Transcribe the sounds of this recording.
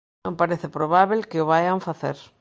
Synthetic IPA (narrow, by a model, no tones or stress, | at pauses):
õmpaɾeθɪpɾoβaβelkɪʊβajaɱfaθḛɾ